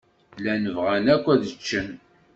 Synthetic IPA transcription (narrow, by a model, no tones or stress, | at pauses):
lænəvʁænækʷːæðət͡ʃːən